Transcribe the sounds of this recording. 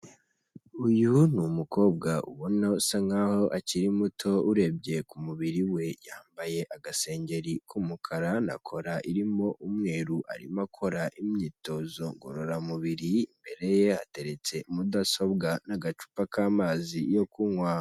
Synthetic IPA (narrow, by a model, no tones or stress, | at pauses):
ujunumuko̞ːb̚ɡaʔṵβonosaŋaho̞ʔaciɾimutʰo̞uɾe̞bɟe̞kumuβiɾiwe̞jaːmbaje̞ʔaɡase̞ːɲɟe̞ɾikʰumukʰaɾana̰kʰo̞ɾaʔiɾimo̞ʔumŋe̞ːɾuʔa̰ɾḭmakʰo̞ɾaʔimɲiːto̞zo̞ŋɡo̰ɾo̞ɾamuβiɾiimbe̞ɾe̞je̞ha̰te̞ɾe̞t͡se̞umudaso̞bɡanaɡat͡ʃu̥pakaːmaːzijo̞kuŋwaː